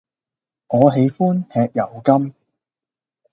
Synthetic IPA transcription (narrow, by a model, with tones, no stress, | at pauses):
ŋɔː˨˧ɦe˨˧jfuː˥nhɛː˧k̚jɐ˨˩wkɐ˥m